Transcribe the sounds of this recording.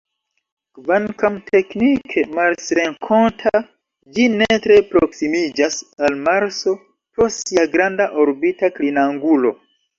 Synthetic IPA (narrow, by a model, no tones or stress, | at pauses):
kvankamtʰe̞knikʰemaɾsɾe̞ŋkʰo̞ntʰa | d͡ʒinetɾe̞pɾoksimid͡ʒasalmaɾso̞ | posiaɡɾandaʔo̞ɾbitaklinaŋɡulo̞̰